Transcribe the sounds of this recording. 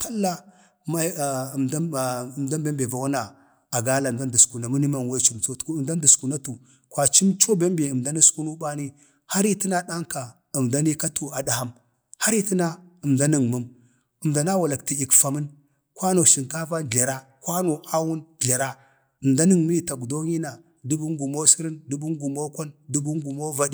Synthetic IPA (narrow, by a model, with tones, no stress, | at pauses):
ta˦lːa˦ | ma˦˨˦mda˦mbe˦mbe˨va˨wa˦na˨ | a˨ɡa˦la˨da˦ndu˨sku˨na˨mu˦ni˦ma˦˨n˨we˦t͡ʃu˨mt͡so˦tmda˦du˨sku˨na˦tu˨ | kʷwa˨t͡ʃi˦mt͡ʃo˦be˦mbe˨ə˨mda˦ni˦sku˦nu˦ba˦ni˦ | ha˦ɾi˦ti˦na˦ɗa˦ŋ˦ka˨ | ə˨mda˦ni˦ka˦tʰu˨a˨da˨ha˦m | ha˦ɾi˦ti˦na˦ə˨mda˦ni˨ŋmu˦m | ə˨mda˨na˦wa˨la˨kti˨i˨kfa˨mə˦n | kwa˦no˨ʃi˨ŋka˦va˦n˨ɮa˨ɾa˦ | kwa˦no˨a˦wu˦n˨ɮa˨ɾa˦ | ə˨mda˦ni˦ŋmi˦i˦ta˨ku˨do˦ɲi˦na˨ | du˦bu˦ŋɡu˨mo˦si˦ɾi˦ndu˦bu˦ŋɡu˨mo˦kʷa˦ndu˦bu˦ŋɡu˨mo˦va˦di˨